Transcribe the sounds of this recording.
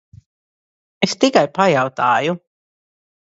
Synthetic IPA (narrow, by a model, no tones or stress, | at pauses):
est̪ikajpajawt̪aːju